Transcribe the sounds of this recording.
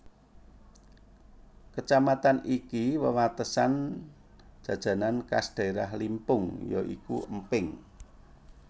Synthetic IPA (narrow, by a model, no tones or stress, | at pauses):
kət͡ʃamat̪anikiwəwat̪əsan | d̥ʒ̥ä̤d̥ʒ̥ä̤nanka̰sd̪̥a̤iɾahlimpʊŋjɔʔḭkṵəmpɪŋ